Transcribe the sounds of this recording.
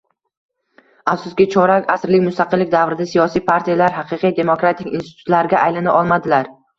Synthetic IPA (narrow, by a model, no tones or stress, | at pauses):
afsʊskʲɪt͡ʃʰɒɾakʲasɾlɪkʲmʊst̪ʰaqʰɨlːɪkʲd̪avɾɪd̪asijɒsijpʰaɾt̪ʰijalaɾɦaqʰɨqɨjd̪e̞mokɾat̪ʰɪkʲinst̪ɪ̥t̪ʰʊ̥t̪laɾɡʲaʔajlanaʔɒlˠmad̪ɪlaɾ